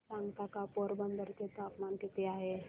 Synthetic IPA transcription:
sãŋɡt̪akapɔɾbənd̪əɾket̪oapmankit̪eaɦe

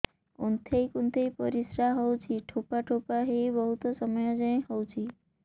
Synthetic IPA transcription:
ṵnt̪ʰejkunt̪ʰejpɔɾisɾaɦɔwt͡ʃʰiʈʰopaʈʰopaɦibəɦut̪ɔsəməjɔd͡ʒəẽhɔwt͡ʃʰi

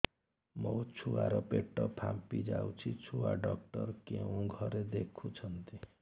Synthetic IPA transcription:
mɔt͡ʃʰuaɾɔpeʈːɔpʰampid͡ʒawt͡ʃʰit͡ʃʰuwaɖɔk̚ʈɔɾkeũɡʱɔɾed̪ekʰut͡ʃʰʌnt̪i

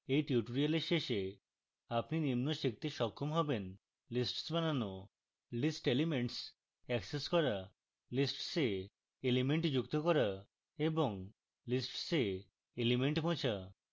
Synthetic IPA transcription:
ejʈiuʈoɾijaleɾʃeʃe | apninimnoʃik̚t̪iʃɔkʰːomɦɔben | lisʈsbanano | lisʈelimeɳʈs | ɛkseskɔɾa | lisʈse | elimeɳʈd͡ʑukt̪okɔɾa | eboŋ | lisʈse | elimeɳʈbõt͡ɕʰa

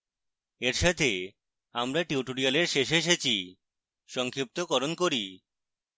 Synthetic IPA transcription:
eɾʃat̪ʰe | amɾaʈiuʈoɾialeɾʃeʃeʃ̬et͡ɕʰi | ʃɔŋkʰip̚t̪okɔɾonkoɾi

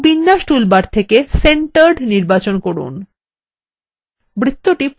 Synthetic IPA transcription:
binːaʃʈulbaɾt̪ʰekeseɳʈaɾɖniɾbat͡ɕonkoɾṵn | bɾit̪ːoʈip

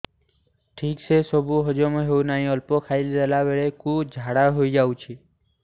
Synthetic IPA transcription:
ʈʰikt͡ʃʰesɔbuɦɔd͡ʒomõɦeunaɦĩɔlpokʰailɾelaʋeɭekud͡ʒʱaɽaɦoid͡ʒaũt͡ʃʰi

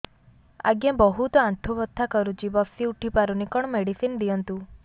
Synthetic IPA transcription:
a̰ɡjãbɔɦut̪ɔãnt̪ʰuʋɔt̪ʰːakəɾut͡ʃibɔsiuʈʰipaɾunikɔɳ̃meɽisind̪iɔnt̪u

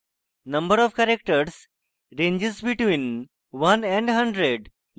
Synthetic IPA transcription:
nəmbəɾɔʋkæɾek̚ʈəɾs | ɾẽɲd͡ʑesbiʈʋĩːn | ʋənɛ̃ɳɖɦəɳɖɾeɖ

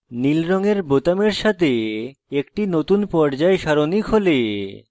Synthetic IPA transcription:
nilɾɔŋeɾbot̪ameɾʃat̪ʰeekʈinot̪unpɔɾd͡ʑaeʃaɾonikɦole

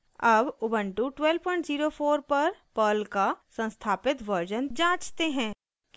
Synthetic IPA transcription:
ɐbʊbə̃ɳʈuʈwɛlpɔ̃ɪ̃ɳʈziːɾofʰoːɾpɐɾpəːlkasə̃nst̪ʰaːpɪt̪ʋəɾd͡ʒənd͡ʒãːt͡ʃt̪eɦɛ̃ː | k

